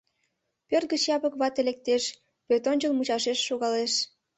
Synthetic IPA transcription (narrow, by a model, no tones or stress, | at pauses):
pørt̪̚ɡət͡ɕjɑpəkβɑt̪elek̚t̪eʃ | pøt̪onʲt͡ɕəlˠmut͡ɕɑʃeʃːoɣɑleʃ